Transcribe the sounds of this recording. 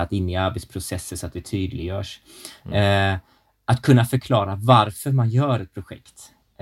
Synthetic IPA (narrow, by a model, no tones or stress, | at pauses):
at̪ɪnːɪaɾbɛt̪spʰɾʊsɛsːəsɔat̪̚d̪ɛt̪ʰyːd̪lɪɡjœːʂ | at̪kʰɵnːafœɾkʰlɑːɾavaɾfœɾmanjœːɾɛt̪̚pʰɾʊɧɛ̰kt̪